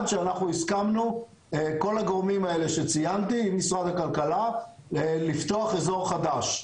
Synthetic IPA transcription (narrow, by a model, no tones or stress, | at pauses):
d̪ʃeanaχnuiskamnu | ko̞laɡoʁmimae̞le̞ʃet͡sijant̪iːmːisʁad̪hakalkala | elift̪o̞aχezo̞ʁχad̪aʃ